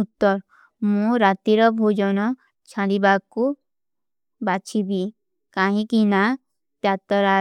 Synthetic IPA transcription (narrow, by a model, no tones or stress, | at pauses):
ut̪ːɔɾ | mũɾat̪iɾɔbʱod͡ʒɔnɔ | t͡ʃʰalibakːu | bat͡ʃʰibi | kaɦĩkina | t̪jat̪ɔɾa